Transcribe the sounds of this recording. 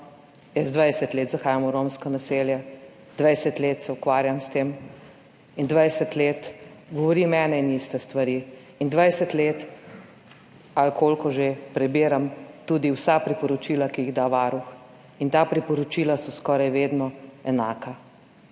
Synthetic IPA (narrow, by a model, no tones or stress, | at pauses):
jɛzd̪ʋajsɛt̪leːt̪zaxaːjamuɾomskɔnaseːljɛ | d̪̥ʋajsɛt̪leːt̪sɛukʋaːɾjamst̪eːm | ind̪ʋajsɛt̪leːt̪ɡɔʋɔɾiːmɛːnɛinist̪ɛst̪ʋaɾiː | ind̪ʋajsɛt̪leːt̪ | alkolkɔʒepɾɛbeːɾamt̪uːd̪iwsapɾipɔɾɔt͡ʃiːlakijiɣd̪aʋaɾux | int̪apɾipɔɾɔt͡ʃiːlasɔskɔːɾajʋeːd̪nɔɛnaːka